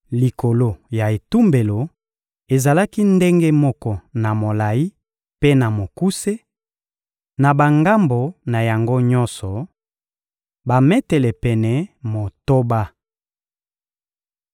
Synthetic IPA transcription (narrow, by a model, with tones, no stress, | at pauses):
li˨ko˨lo˦ja˨e˨tu˦mbe˨lo˨ | e˨za˨la˦ki˦nde˦ŋɡe˦mɔ˦kɔ˦na˨mo˨la˨ji˦ | pe˦na˨mo˨ku˦se˦ | na˨ba˨ŋɡa˦mbo˨na˨ja˨ŋɡo˦ɲɔ˦nsɔ˨ | ba˨mɛ˦tɛ˨lɛ˨pɛ˨nɛ˨mo˨to˦ba˦